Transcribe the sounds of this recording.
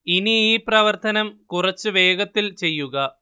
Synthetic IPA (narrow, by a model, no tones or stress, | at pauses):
iniiːprɐʋɐrt̪ʰɐnɐmkurɐt͡ɕːɨʋe̞ːɡɐt̪ːilt͡ɕe̞jːuɣɐ